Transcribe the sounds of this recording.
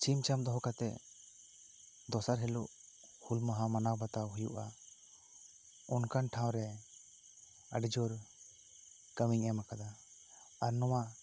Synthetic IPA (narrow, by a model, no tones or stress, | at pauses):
t͡ʃimt͡ʃamd̪ɔɦɔkat̪ɛ | d̪ɔsaɾɦɛluʔ | hulmaɦamanawbat̪awɦujuʔa | ɔnkanʈʰaw̃ɾɛ | ə̰ɖd͡ʒɔɾ | kəmiŋɛmakad̪a | aɾnɔwa